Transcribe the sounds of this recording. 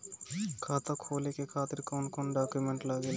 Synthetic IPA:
kʰaːt̪ɐkʰoːlikekʰaːt̪iɾkɐunkonɖaːkjumeɳʈlaːɡil

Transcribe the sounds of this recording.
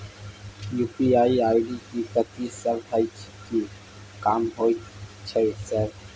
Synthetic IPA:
jupiaiajɽiikət̪isəbd͡zʱajt͡ɕʰi̥ki | kamɦojt͡ɕʰəjsəɾ

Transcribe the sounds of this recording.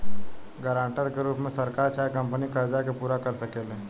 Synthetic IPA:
ɡəɾãːɳʈəɾkeɾuːpmẽsɐɾkaːɾt͡ʃʰaːjkɐ̃mpənikəɾd͡ʒakepuːɾakɐɾsɐkeːlɦẽː

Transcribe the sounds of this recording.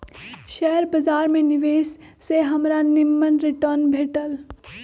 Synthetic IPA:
ʃɛːəɾbɐzaːɾmẽnɪʋeːsseɦɐmɾanɪmːənɾɪʈəɾnbʱeːʈəl

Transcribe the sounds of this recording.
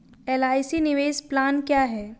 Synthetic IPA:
eːlaːɪsinɪʋeːsplaːnkjaːɦɛː

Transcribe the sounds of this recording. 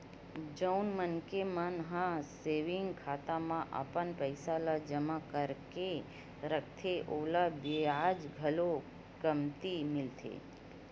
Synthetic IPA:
d͡ʒəwnmənkemãnəɦãseʋiŋɡkʰat̪amãʔa̰pənpəjsalad͡ʒəmakəɾke | ɾək̚t̪ʰeʔolabead͡ʒɡʱəlo | kəmt̪imɪlt̪ʰḛ

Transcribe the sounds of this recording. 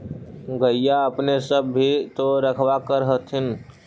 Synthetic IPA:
ɡəɪjaəpnesəbːit̪oɾəkʰwakəɾɦət̪ʰɪn

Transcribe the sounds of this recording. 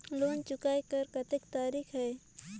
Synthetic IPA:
loːnt͡ʃʊkaːekɐɾkɐt̪ekt̪aːɾiːkʰɦɛː

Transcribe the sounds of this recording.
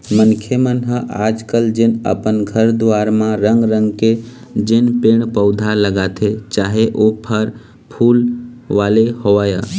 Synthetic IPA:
mənkʰemənɦəʔaːd͡ʒkəld͡ʒenə̰pənɡʱəɾd̪ʊʋaːɾmãɾəŋɡɾə̃ŋɡke | d͡ʒenpeɽ̃pəʊd̪ʱaləɡaːt̪ʰet͡ʃaːɦeʔopʰəɾ | pʰuːlʋaːlehoʋaːja

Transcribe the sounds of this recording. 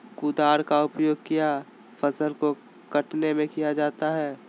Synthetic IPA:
kud̪aːɾkaʊpjoːɡ̚kija | fʰɐsəlko | kɐʈnemẽkijad͡ʒaːt̪aɦɛː

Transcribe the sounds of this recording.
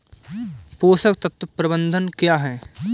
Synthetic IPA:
poːsəkt̪ɐt̪wpɾɐbə̃nd̪ʱənkjaːɦɛː

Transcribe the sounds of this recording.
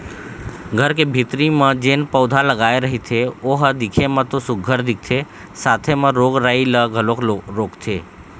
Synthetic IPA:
ɡʱəɾkebʱit̪ɾimãd͡ʒenpəʊd̪ʱaləɡaeɾəɦit̪ʰeoɦəd̪ɪkʰemãt̪osʊɡʱːəɾd̪ɪk̚ʰt̪ʰe | sat̪ʰemãɾoɡɾailəɡʱəlokoɾokt̪ʰe

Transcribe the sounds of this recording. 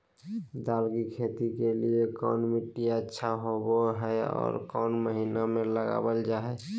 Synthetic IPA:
d̪aːlɡikʰet̪ikeliekɔ̰ːnmiʈːijaətːʃʰaɦoboɦɛɔ̰ːɾkɔːnməɦinamẽləɡa̰bəld͡ʒaːɛ

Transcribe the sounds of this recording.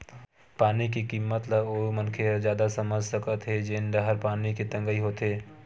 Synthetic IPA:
paːnikikiːmːət̪ləoːmɐnkʰed͡ʒjaːd̪asɐməd͡ʒʱsɐkət̪ɦed͡ʒeːnd̪ɐɦəɾpaːniket̪ɐ̃ŋɡəiɦoːt̪ɦeː

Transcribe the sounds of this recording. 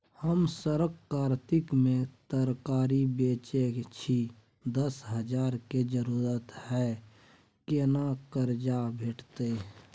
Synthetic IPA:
həmsəɾəkkːaːɾt̪ɪkmẽt̪əɾkaːɾibeːt͡ʃet͡ʃʰi | d̪əsɦəd͡ʒaːɾked͡ʒəɾuːɾət̪hɛː | kenakəɾd͡ʒabʱeʈt̪e

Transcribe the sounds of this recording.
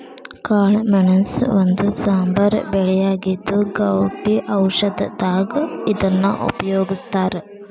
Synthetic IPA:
kaːɭmɐnɐmso̰nd̪usaːmbɐɾbɛɭɛjaːɡid̪ːuɡɐwʈiʔɐwʂɐd̪ɐd̪aːɡɐid̪ɐnːṵʔo̰pɐjoːɡist̪aːɾe

